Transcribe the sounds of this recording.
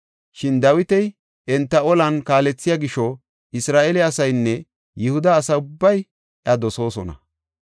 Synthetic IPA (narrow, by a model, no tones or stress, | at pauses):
ʃɪnd̪ɐwɪt̪ɛj | ʔɛnt̪ːɐɔlɐnkaːlɛt͡sːɪjaɡɪʃɔ | ʔɪsɾaːʔɛlɛɐsɐjnːɛ | jɪhʊd̪ɐːsɐʊbːɐj | ʔɐd̪ɔso̞ːsɔnɐ̰